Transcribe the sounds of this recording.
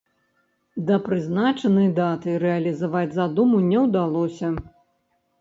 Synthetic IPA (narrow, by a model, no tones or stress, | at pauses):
d̪ɐpɾɨznat͡ʂɐnɨjd̪at̪ɨɾɛɐlʲizavad͡zʲzad̪umunʲɛwd̪alˠɔsʲɐ